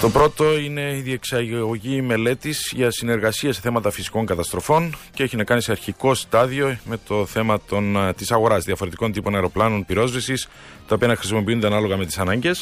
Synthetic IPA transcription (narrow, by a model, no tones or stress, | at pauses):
t̪o̞pɾo̞t̪o̞ine̞iðie̞ksɐɣo̞ʝime̞le̞t̪iz̥ʝɐsine̞ɾɣɐsiɐse̞θe̞mɐt̪ɐfisi̥ko̞ŋkɐt̪ɐst̪ɾo̞fo̞nceeçinɐkɐnise̞ɐɾçiko̞st̪ɐðio̞me̞t̪o̞θe̞mɐt̪o̞nt̪isɐɣo̞ɾɐzðiɐfo̞ɾe̞t̪iko̞nt̪ipo̞nɐeɾo̞plɐno̞npiɾo̞zvisis | t̪ɐopiɐnɐxɾisimo̞piund̪eɐnɐlo̞ɣɐme̞t̪isɐnɐɲɟe̞s